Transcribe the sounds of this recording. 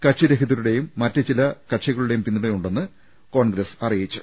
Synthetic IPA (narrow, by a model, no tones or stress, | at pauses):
kɐʈʂiɾeɦiðɐɾuɽe̞jumːɐtːɨt͡ɕilɐkɐʈʂiɣɐɭuɽe̞jumpinːuɽejuɳɖe̞nːɨ | ko̞ːɳɡɾɐsɐrijit͡ɕːu